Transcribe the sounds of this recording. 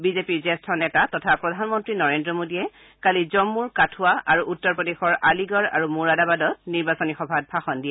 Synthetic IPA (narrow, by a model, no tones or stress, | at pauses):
bizepiɹzɛstʰɔnɛtatɔtʰapɹɔdʱanmɔntɹinɔɹendɹɔmodijɛ | kalizɔmːuɹkatʰʊwaʔaɹuʔutːɔɹpɔdexɔɹaliɡɔɹa̰ɹumuɹadabadɔt̚niɹbasɔnixɔbʱad̚bʰʱaxɔndiɛ